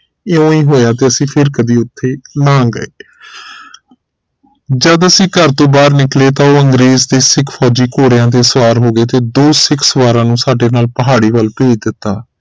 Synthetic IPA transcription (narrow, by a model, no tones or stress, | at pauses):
eːõːĩːɦoːjaːt̪eːəsĩːpʰɪɾkəd̪iːʊt̪ʰːeːnãːɡə̰eː | d͡ʒəd̪əsĩːkəɾt̪õːbaːɾnɪkleːt̪ãːoːəŋɡɾeːzd̪eːsɪkʰfʰɔːd͡ʒiːkoːɽɪjãːt̪̬eːsəʋaːɾɦoːɡeːt̪eːd̪oːsɪkʰsəʋaːɾãːnũːsaːɖeːnaːlpəɦaːɽiːʋəlpeːd͡ʒd̪ɪt̪ːaː